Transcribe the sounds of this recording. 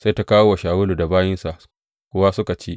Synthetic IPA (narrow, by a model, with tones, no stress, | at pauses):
sa˦jta˦kaː˦wo˦wa˨ʃaː˨wʊ˦luː˨da˨baː˦jɪ˦nsa˨ʔ | kʷʊ˦wa˦sʊ˦ka˨t͡ʃeː˦ʔ